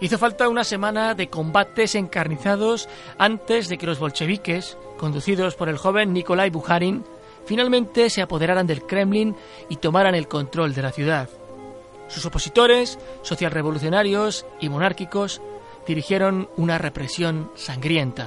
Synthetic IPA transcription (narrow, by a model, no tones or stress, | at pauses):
iθo̞falt̪aunase̞mãnaðe̞ko̞mbat̪e̞se̞ŋkaɾniθað̞o̞s | ant̪e̞zðe̞ke̞lo̞zβo̞lt͡ʃe̞β̞ike̞s | ko̞nd̪uθiðo̞spo̞ɾe̞lxo̞β̞enːiko̞lajβuxaɾin | finalmẽnt̪e̞se̞apo̞ð̞e̞ɾaɾand̪e̞lkɾe̞mlin | it̪o̞maɾane̞lkõ̞nt̪ɾo̞ld̪e̞laθjuðað | suso̞po̞sit̪o̞ɾe̞sːo̞θjalre̞β̞o̞luθjo̞naɾjo̞simo̞naɾkiko̞z | d̪iɾixje̞ɾo̞nunare̞pɾe̞sjo̞nsaŋɡɾje̞nt̪a